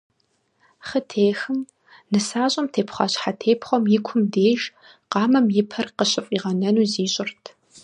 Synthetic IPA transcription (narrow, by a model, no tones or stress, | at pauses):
χətʰeːxɨm | nɨsaːɕʼɐmtʰeːpχʷɑɕʼħatʰeːpʰχʷɔmjɪkʷʰʊmdeːʒ | qɑːmɐmjɪpʰɐrqəɕʼɪfʼiːʁɐnɐnuːziːɕʼɪrtʰ